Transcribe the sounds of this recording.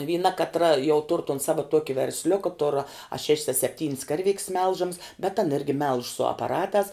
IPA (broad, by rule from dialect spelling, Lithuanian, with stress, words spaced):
ʋʲiːˈnɐ kɐtˈrɐ jɛʊ tʊr toːn ˈsɑːʋɐ ˈtuɔkʲɪ ʋʲɛrʲsʲˈlʲʊkɐ tʊr ɐ ʃʲɛʃʲs ɐ sʲɛpʲˈtʲiːnʲs ˈkɐrʲˌʋʲɪkʲs ˈmʲɛlˠʒɐms bʲɛt ɐn ˈɪrʲɡʲɪ mʲɛlˠʃ sʊ ɐpɐˈrɑːtɑːs